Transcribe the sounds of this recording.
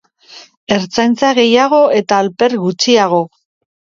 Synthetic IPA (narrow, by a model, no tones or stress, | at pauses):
e̞ɾt͡sajnt͡saɣe̞jaɣ̞o̞e̞t̪aːlpe̞ɾɣut͡siaɣ̞o̞